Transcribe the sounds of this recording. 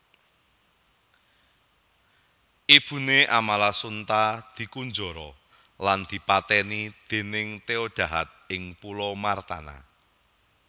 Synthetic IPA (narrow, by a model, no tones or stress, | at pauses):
ʔib̥ṳneʔamalasunt̪ad̪̥i̤kund͡ʒɔɾɔ | land̪̥i̤pat̪ɛnid̪̥e̤nɪŋt̪eɔd̥ʒ̥ä̤ɦat̪̚ɪŋpulɔmart̪a̰na̰